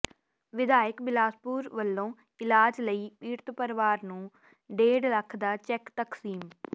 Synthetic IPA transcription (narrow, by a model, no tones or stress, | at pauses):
ʋɪd̪aːɪkbɪlaːspuːɾʋəlːõː | ɪlaːd͡ʒləiːpiːɾt̪pəɾʋaːɾnũː | ɖeːɽləkʰd̪aːt͡ʃɛkt̪əksiːm